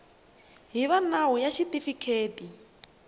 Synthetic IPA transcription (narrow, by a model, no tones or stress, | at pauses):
ɦiβanaɦujaʃitifikʰeːti